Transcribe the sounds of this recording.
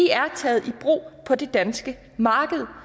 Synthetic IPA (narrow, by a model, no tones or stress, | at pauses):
iæɐt͡sʰɛ̰ːð̩ˠib̥ʁo̰ːpʰɒ̽d̥e̝d̥ænsɡ̥ə | mɑ̈ːɡ̥əð̞̩ˠ